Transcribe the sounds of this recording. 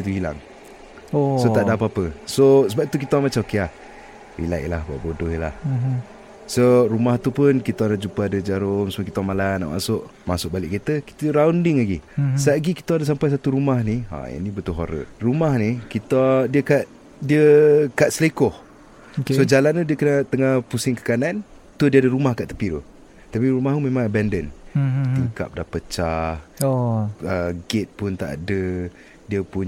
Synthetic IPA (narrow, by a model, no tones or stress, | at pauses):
ət̪uhila̰ŋ | osot̪aʔdapaapəsosəbapit̪ukit̪əwaŋmat͡ʃamokeah | ɾḭla̰ʔlahba̰ʔbodʊɦila̰h | soɾumaht̪upʊnkit̪anaʔd͡ʒupəadəd͡ʒaɾʊmsəmukit̪aŋmalana̰ʔma̰sʊʔmasʊʔ̚balɪʔkit̪əki̥t̪əɾawndɪŋlaɡisaʔɡiki̥t̪oadəs̬ampajs̬at̪uɾumahnia̰ja̰nibət̪uɦoɾə̰rumahnikit̪adiəkaʔ | diəkaʔ̪səlekɔh | ksod͡ʒalanːudiəkənət̪əŋahpusɪŋkə̥kanan | t̪udiəadəɾumahkaʔt̪ə̥pid̪ṵ | t̪apiɾumaɦumẽmãŋabɛndənt̪iŋka̰p̚dahpət͡ʃah | əɡɪt̪̚pʊnt̪a̰ʔa̰də | diəpʊɲ